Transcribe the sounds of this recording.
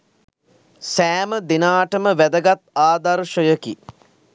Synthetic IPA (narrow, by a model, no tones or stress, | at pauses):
sæːməd̪inaːʈəməʋæd̪əɡat̪̚aːd̪aɾʃəjəki